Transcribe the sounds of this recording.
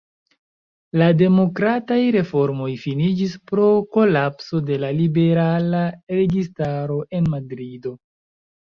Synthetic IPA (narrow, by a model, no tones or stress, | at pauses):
lade̞mo̞kɾatajɾe̞fo̞ɾmo̞jfinid͡ʒispɾo̞ko̞lapso̞de̞lalibe̞ɾalaɾe̞ɡistaɾo̞ʔe̞nmadɾido̞